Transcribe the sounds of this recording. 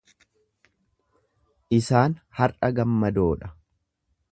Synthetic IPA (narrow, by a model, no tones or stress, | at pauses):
ʔɪsaːnhɐrɐɡɐmːɐd̪o̞ːᶑɐ̥